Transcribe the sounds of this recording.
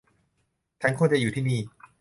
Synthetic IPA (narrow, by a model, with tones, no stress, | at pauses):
t͡ɕʰa˥˩nkʰuː˧˥˧t͡ɕa˧juː˨˩iː˥˩niː˥˩